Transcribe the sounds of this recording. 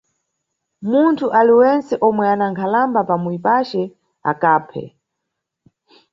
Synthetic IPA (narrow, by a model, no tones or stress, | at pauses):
muntʰuʔaliwɛnsɛʔɔmwɛanaŋkʰalambapamuipat͡ʃɛ | a̰kaːpʰɛ̰